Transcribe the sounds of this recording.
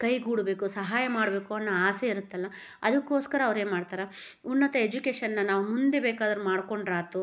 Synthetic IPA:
kɐjɡuːɽbe̞ːkusɐɦaːjɐmaːɽbeːkuɐnːɐaːseiɾut̪ːɐlːɐ | ɐd̪ɐkːo̞ːskɐɾɐːʋɾeːnmaːɽt̪aːɾɐunːɐt̪ɐed͡ʒukeːʂɐnːɐnaːʋumund̪e̞beːkaːd̪ɐɾmaːɽko̞ɳɖɾaːt̪u

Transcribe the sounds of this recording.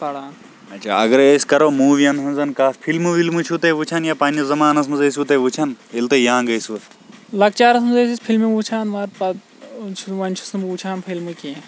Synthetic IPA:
pɐɽaːn | ɐt͡ʃʰa̰ːɐɡɐɾeːskɐɾoːmuːʋijɐnɦɐnzɐnkaːspʰilmuʋilmut͡ʃʰut̪eːʋut͡ʃʰanjaːpaːnd͡ʒɐzɐmaːnɐsmɐzes̬ut̪eːʋut͡ʃʰɐnilt̪ejãːŋɡɐjsu | lɐɡ̚t͡ʃaːɾɐsmuzeːsispʰilmiut͡ʃʰaːnʋaɾpɐ | t͡ʃʰuʋɐnt͡ʃʰusmut͡ʃʰaːnpʰilmukiẽ

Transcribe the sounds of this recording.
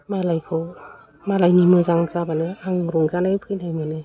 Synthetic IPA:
malajkʰɯw | malajnimɯzaŋzabanɯaŋɾuŋzanajpʰɯjnajmɯnɯ

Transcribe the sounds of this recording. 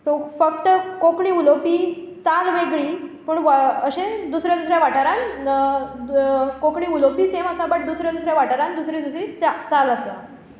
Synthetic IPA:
t̪ofəkt̪əkokɳiːulopiː | t͡salʋeɡɭiːpuɳʋəɕẽd̪usɾjad̪usɾjaʋaʈaɾãn | kokɳiːulopiːseməsãbəʈ̚d̪usɾjad̪usɾjaʋaʈaɾãnd̪usɾid͡zəsit͡st͡saləsə̰

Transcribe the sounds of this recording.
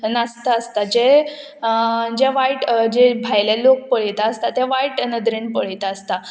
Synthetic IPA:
nast̪aəst̪ad͡ʑe | d͡ʑɛʋaiʈd͡ʑebʱajlelok̚pəɭ̤əjt̪aːst̪at̪jɛʋaiʈnəd̪ɾenpəɭ̤əjt̪aːst̪a

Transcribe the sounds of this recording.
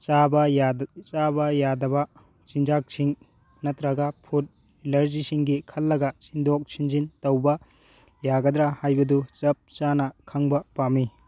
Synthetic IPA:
t͡ʃabɐjat͡ʃabɐjadɐbɐ | t͡ʃind͡ʒak̚siŋ | nɐtɾɐɡɐpʰut̚ | ilɐɾzisiŋɡikʰɐlːɐɡɐt͡ʃindok̚sind͡ʒintɐwbɐ | jaɡɐd̪ɾahajbɐdut͡ʃɐp̚t͡ʃanɐkʰɐŋbɐpami

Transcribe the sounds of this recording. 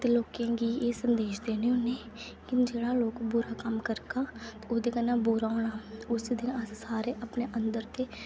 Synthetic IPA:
t̪eloːkẽːɡiːeːsənd̪eːʃd̪eːneːʊneː | kɪd͡ʒeːɽaːloːkbʊɾaːkəmkəɾkaːt̪ːʊːd̪eːkənaːbʊɾaːoːnaːʊsid̪ɪnəssaːɾeːʔəpneːʔənd̪əɾt̪eː

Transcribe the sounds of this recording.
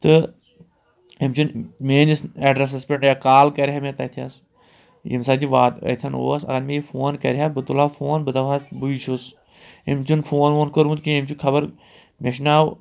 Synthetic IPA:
t̪ɨ | imt͡ʃunmeːnisɐɖɾes̬ɐspʲeɳʈjakaːlkɐɾʲɦamẽt̪ɐt̪ʰiɐs | jḭmsaːd͡ʒiʋaːt̪ɐ̰t̪ʰʲɐno̰ːsɐ̰ɡɐɾmeifʰoːnkɐ̰ɾʲɦaːbɨt̪ulaːfʰoːnbɨd̪ɐʋaːsbɨit͡ʃʰus | ḭmt͡ʃunfʰoːnʋoːnkəɾmut̪kiimt͡ʃukʰɐbɐɾ | meʃ̬naːw

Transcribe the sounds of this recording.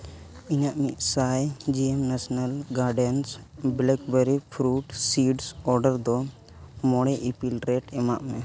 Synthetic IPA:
inaʔmiʔsajd͡ʒiɛmnasnalɡaɾɖɛnsblɛkbeɾipʰɾuʈsiɖsɔɾɖəɾd̪ɔ | mɔɽ̃ɛʔipilɾeʈɛma̰ʔmɛ

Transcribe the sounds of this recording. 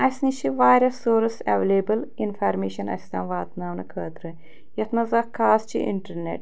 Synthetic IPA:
ɐsnit͡ʃʰiʋaːjɾɐsːoːɾɐsɐ̰ʋeleːbɐlinfaːɾmeːʃɐnɐ̰sʲt̪ɐ̰ːnʋaːt̪naːwnɐkʰəːt̪ɾɨ | jɐt̪nɐzakʰːaːst͡ʃʰḭʔḭɳʈɐɾnḛʈ

